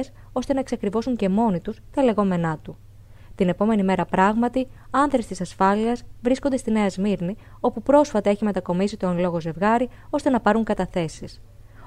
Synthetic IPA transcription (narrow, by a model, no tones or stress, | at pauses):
s | o̞st̪e̞nɐeksɐkɾivo̞suɲce̞mo̞nit̪ust̪ɐle̞ɣo̞me̞nɐt̪u | t̪ine̞po̞me̞nime̞ɾɐpɾɐɣmɐt̪iɐnðɾe̞st̪isɐsfɐliɐzvɾiskond̪est̪ine̞ɐzmiɾni | o̞pupɾo̞sfɐt̪ɐe̞çime̞t̪ɐko̞misit̪o̞nlo̞ɣo̞ze̞vɣɐɾio̞st̪e̞nɐpɐɾuŋkɐt̪ɐθe̞sis